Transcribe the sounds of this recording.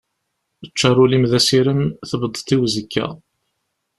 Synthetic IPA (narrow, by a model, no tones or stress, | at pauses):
ət͡ʃːɑɾˤulimðæsiɾəmθəbəd̪ˤːt̪ˤːiwzəkːæ̰